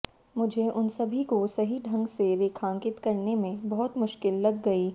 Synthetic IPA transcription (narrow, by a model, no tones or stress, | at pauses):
mʊd͡ʒʱeʔʊnsɐbʱikosɐɦiɖʱɐ̃ŋɡseɾeːkʰãːŋkɪt̪kɐɾnemẽbɐɦʊt̪mʊʃkɪlːɐɡːɐiː